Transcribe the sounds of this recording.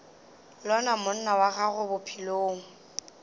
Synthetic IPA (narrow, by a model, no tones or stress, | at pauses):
lɔnamʊn̩nawaɣaɣʊbʊpʰiloːŋ̩